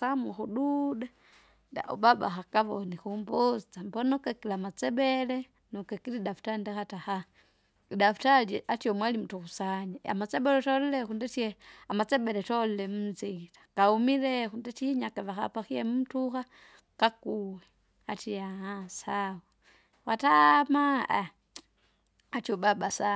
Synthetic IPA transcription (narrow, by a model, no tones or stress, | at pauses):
samuxuɗuda | da̰ṵbaba̰xakaβonixumbot͡sambonukekilamat͡sebele | nukekilidafu̥tandaxataxa | idafu̥talʔatjomwalimutuxusaɲaa̰mat͡sebeletolilexundetieamat͡sebɛlɛtollemuzitḁkaumiɾexundetiɲakavaxa̰paxijemum̩utuxa | kakuwe | atijaasawo | watama | atobabasa